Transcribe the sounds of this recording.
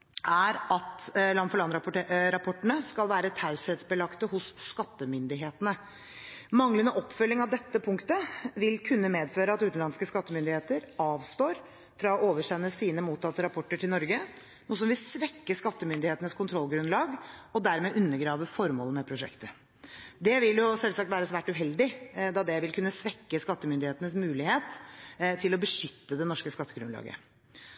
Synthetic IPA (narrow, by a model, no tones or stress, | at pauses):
ʔæɾɑt̪lɑnfɔlɑnɾɑpʰɔʈːəɳəskɑlʋæːɾət̪ʰɑʉshɛːt̪sbəlɑkt̪əhʊsːkɑt̪ːəmʏnd̪ɪɦeːt̪ənə | mɑŋlənəʔɔpːfœlːɪŋɑʋd̪ɛt̪ːəpʰʊŋkt̪əʋɪlkʰʉnːəmeːd̪føːɾəɑt̪ʉːt̪nlɑnskəskɑt̪ːəmʏnd̪ɪheːt̪əɾɑːʋst̪oːɾ | fɾɑɔʔoːʋəʂɛnːəsiːnəmuːt̪ɑt̪ːəɾɑpʰɔʈːəʈʰɪlnɔɾɡə | nuːs̬ɔmʋɪlsʋɛkːəskɑt̪ːəmʏnd̪ɪheːt̪ənəskʊnt̪ʰɾɔlːɡɾʉnlɑːɡɔd̪æɾmɛʔʉnːəɡɾɑːʋəfɔɾmoːlmɛpʰɾʊʂɛ̰kt̪ə | d̪ɛʋɪljʊsɛlsɑk̚t̪ʋæːɾəsʋæːʈʉɦɛld̪ɪd̪ɑd̪ɛʋɪlkʰʉnːəsʋɛkːəskɑt̪ːəmʏnd̪ɪheːt̪ənəsmʉːlɪheːt̪t̪ʰɪlɔbəʂʏt̪ːəd̪ɛnɔʂkəskɑt̪ːəɡɾʉnlɑ̰ːɡə̰